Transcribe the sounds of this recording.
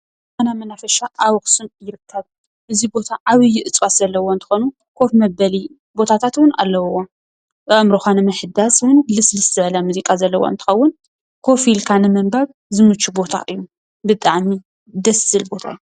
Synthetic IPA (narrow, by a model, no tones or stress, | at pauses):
manamɐnafɐʃaʔawɔxsunjɪɾɨkʰːɐβ | ʔɨzibo̞t̪ʰaʔaβɨjːɪʔɨt͡sʼwaszɐlːɐwont̪ʰɨ̥xonu | kʰo̞fmɐbɐli | bo̞t̪ʰat̪ʰat̪wʊna̰lːɐwwo | ɐmɾoxanɨmɨħɨd̪aswʊnlɨslɨst̪ɨʕɐlamuzikʼazɐlːɐ̰wo̰ɨnt̪ʰɨ̥xɐwːʊn | kʰo̞filkʰanɨmɐmbaβ | zɨmɨt͡ʃʼːubo̞t̪ʰa̰ʔɨjːu | bɨt̪ʼaʕmi | d̪ɐsɨlbo̞t̪ʰa̰ɨju